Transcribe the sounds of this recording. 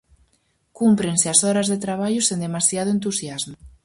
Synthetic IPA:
kumpɾenseasɔɾazðet̪ɾaβ̞aʎʊsend̪emasjað̞oent̪usjazmo

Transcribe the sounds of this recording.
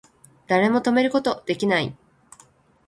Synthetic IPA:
d̪̥aɾe̞mo̞t̪o̞me̞ɾɯ̟ko̞t̪o̞d̪̥e̞kʲinaḭ

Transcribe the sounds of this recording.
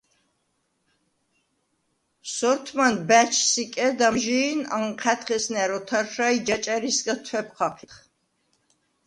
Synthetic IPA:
sɔɾt̪ʰmanbæt͡ʃʰsikʼɛd̪amʒiːna̰ŋqʰɛt̪ʰχɛsnɛɾɔt̪ʰaɾʃaid͡ʒat͡ʃʼaɾisɡat̪ʰwɛp̚ʰqʰaqʰiχ

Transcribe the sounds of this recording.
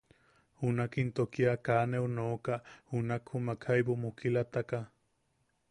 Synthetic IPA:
hunakint̪okiakaːneunoːkaʔhunakhumakʰhajbomukilat̪aka

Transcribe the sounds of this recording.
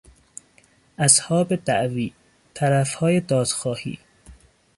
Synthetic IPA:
ʔæshɒːbed̪æʔviː | t̪ʰæɾæfhɒːjed̪ɒːd̪̥xɒːhḭː

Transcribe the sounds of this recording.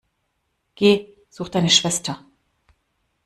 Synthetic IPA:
ɡ̥eː | z̥uːxtd̥aɪnəʃv̥ɛstʰɐ

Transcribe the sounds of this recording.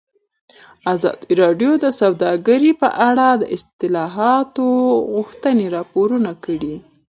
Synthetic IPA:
azɑ̰d̪iɾɑɖjod̪əsawd̪ɑɡəɾipə̰ʔaɽɑd̪ə̰ʔɪst̪ɪlɑɦɑt̪oɣʊxt̪əneɾɑpoɾunakəɽi

